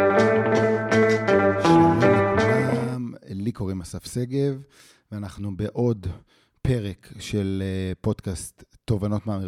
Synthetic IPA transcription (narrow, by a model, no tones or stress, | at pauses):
ʃalekʰulamliko̞ʁimasafse̞ɡe̞v | veanaχnubeʔo̞d | pe̞ʁekʃelpo̞d̥̪kast̪ːo̞vano̞t̪maːmi